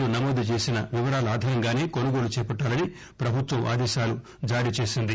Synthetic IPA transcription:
lunɐmoːd̪ʱut͡ʃe̞ːsinɐʋiʋɐɾaːlɐaːd̪ʱɐːɾɐŋɡaːne̞ːko̞nuɡo̞ːlut͡ʃɛːpɐʈːaːlɐni | pɾɐbʱut̪ʋɐmʔa̰ːd̪ɛːʃaːlu | d͡ʒaːɾit͡ʃe̞ːsind̪i

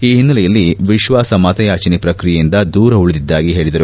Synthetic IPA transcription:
iːɦinːɐlɛjɐlːiʋiʃʋaːsɐmaːt̪ɐjaːt͡ʃɐnipɾɐkɾijɐjind̪ɐd̪uːɾɐuɭud̪id̪ːaːɡiɦe̞ːɭid̪ɐɾu

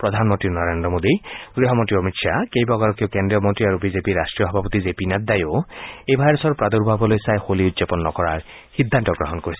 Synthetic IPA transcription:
pɹɔd̪ʱanmɔnt̪ɹinɔɹend̪ɾɔmod̪iɡɹiɦɔmɔnt̪ɹiɔmitʃakejbaɡaɾɔkijɔkendɹijɔmɔnt̪ɹiaɾubizepiɾasʈɹijɔɦɔbʱapɔt̪izepinat̪̚d̪ajoejbʱajɾɔsɔɹpɹad̪uɹbʱabɔlojsajxoliut̪zepɔnːɔ̰kɔɹaɹ | xid̪ʱːantɔɡɹɔɦɔnkoɹisɛ̥

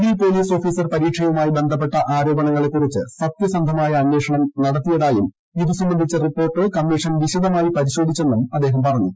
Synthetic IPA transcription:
ipo̞ːliːso̞ːfiːsɐrpɐɾiːʈʂʰɐjɐʋumaːjibe̞nd̪ʱɐpːe̞ʈːɐʔaːɾo̞ːbɐɳɐŋːɐɭe̞kːurit͡ɕːɨsɐt̪jɐsɐnd̪ʱɐmaːjɐɐnːeːʂɐɳɐmnɐɽɐt̪ːijɐðaːjum | iðusɐmbɐnd̪ʱit͡ɕːɐripːo̞ːrʈːɨkɐmːiʂɐnʋiɕɐðɐmaːjipɐɾiɕo̞ːd̪ʱit͡ɕːe̞nːumɐd̪ːeːɦɐmpɐrɐɲːu

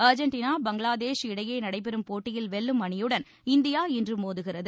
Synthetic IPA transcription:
ɐɾd͡ʒɐɳʈinaːbɐŋɡɐɭaːðeːʂɪɽɐjɐɪnɐɽɐɪp̬ɛɾɯmpoːʈːɪjɪlʋɛɭːɯmɐɳɪjɯɽɐn | ɪnd̪ɪjaːɛndrɯmoːðɯɣɪrɐðɯ

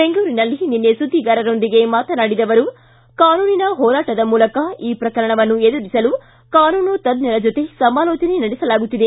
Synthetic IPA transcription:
beŋɡuːɾinɐlːininːesud̪ʱːiɡaːɾɐɾo̞nd̪iɡe̞maːt̪ɐnaːɽid̪ɐʋɐɾu | kaːnuːninɐɦɔːɾaːʈɐd̪ɐmuːlɐkɐiːpɾɐkɐɾɐɳɐʋɐnːued̪uɾisɐlu | kaːnuːnut̪ɐd̪nɐɾɐd͡ʒot̪e̞sɐmaːloːt͡ʃɐnenɐɽɛsɐlaːɡut̪ːid̪e̞

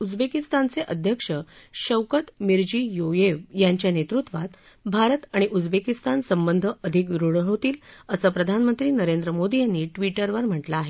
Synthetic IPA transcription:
ud͡zbekist̪ant͡seʔəd̪ʱjəkʂəɕəwkət̪miɾd͡ʑiːjojeʋjaɲt͡ɕjanet̪ɾut̪ʋat̪ | bʱaɾət̪aɽ̃iʔud͡zbekist̪ansəmbənd̪ʱəəd̪ʱik̚d̪ɾuɽɦot̪iːləsəːpɾəd̪ʱanmənt̪ɾiːnəɾend̪ɾəmod̪ijanːiːʈʋiʈəɾʋəɾm̤əʈlaːɦe

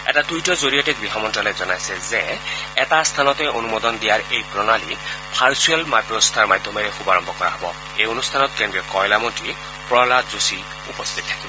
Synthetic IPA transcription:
ɛ̰tadujtɔzoɹijɔtɛbɹiɦamɔntɔlɛzɔnajsɛzɛɛtast̪ʰanɔtɛʔonumɔd̪ɔndijaɹejpɹɔnalipʰaɹsuɛlmapɹɔst̪ʰaɹmad̪ʱːɔmɛɹɛxubaɹɔmbʱɔkɔɹa̰ɦɔbɔ̰ | ejonust̪ʰanɔt̚kɛndɹɛkɔjlamɔnti | pɹɔlazusi | upɔst̪ʰit̚tʰakibɔ

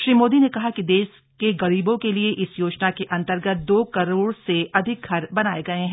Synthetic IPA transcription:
ʃɾiːmoːd̪inekɐɦakid̪eːʃ | keɣɐɾiːbõkelieʔɪsjoːt͡ʃnakeʔɐ̃nt̪əɾɡət̪̚d̪oːkɐɾoːɽseʔɐd̪ʱɪk̚ɡʱɐɾbɐnaːeɡɐeɦɛ̃ː

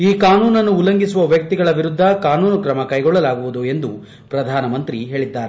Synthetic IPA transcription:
iːkaːnuːnɐnːuːlːɐŋɡisuʋɐʋjɐk̚t̪iɡɐɭɐʋiɾud̪ʱːɐkaːnuːnɐkɾɐmɐkɐjɡɔɭːɐlaːɡuʋud̪ue̞nd̪u | pɾɐd̪ʱaːnɐmɐnt̪ɾiɦe̞ːɭid̪ːaːɾe

